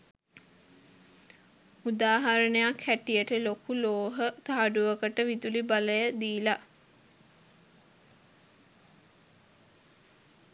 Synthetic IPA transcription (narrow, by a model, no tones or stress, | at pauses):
ud̪aːɦaɾənəjakhæʈijəʈəlokuloːɦət̪aɦaɖuʋəkəʈəʋid̪ulibaləjəd̪iːla